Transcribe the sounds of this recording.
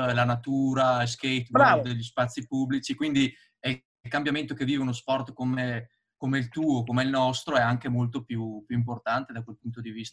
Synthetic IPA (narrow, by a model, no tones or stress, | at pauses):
lanat̪uːɾailskejt̪baod̪eʎːispat̪sːipubːlit͡ʃikwind̪i | ɛ | lkambjament̪okevːiːveunosfɔrt̪kome | komeilt̪uːokomeilnɔst̪ɾoɛaŋkemolt̪opjupjuimp̬ort̪ant̪ed̪akwelpunt̪od̪ivist̪a